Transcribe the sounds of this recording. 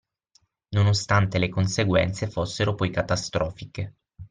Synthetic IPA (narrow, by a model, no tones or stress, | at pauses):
nonost̪ant̪elekonseɡwɛ̰nt̪sefosːeɾopɔjkat̪ast̪ɾɔːfike